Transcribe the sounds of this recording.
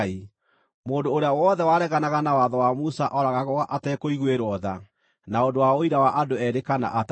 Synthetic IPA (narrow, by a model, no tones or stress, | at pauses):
i | moːndoːɾeawɔðɛwaɾɛɣanaɣanawaðɔwamusaʔɔɾaɣaɣoaʔatɛkoiɣweɾwɔða | naondowaoiɾawaʔadoɛɾekana̰ʔat